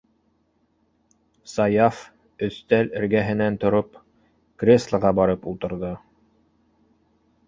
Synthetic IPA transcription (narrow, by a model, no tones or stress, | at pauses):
sɑjɑf | ɵ̆θt̪ælɘ̆ɾɡæɦɘ̆nænt̪ŏɾop | krʲeslˠɤʁɑbɑɾɤpulˠt̪ɤ̆ɾðɤ